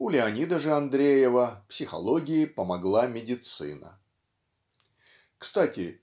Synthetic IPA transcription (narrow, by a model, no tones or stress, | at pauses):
ʊlʲɪɐnʲid̪əʐɨɐnd̪ɾʲejɪvəpsʲɪxɐ̰lˠoɡʲɪjɪpəmɐɡlˠamʲɪdʲɪt̪sɨ̰nə̰ | kst̪atʲɪ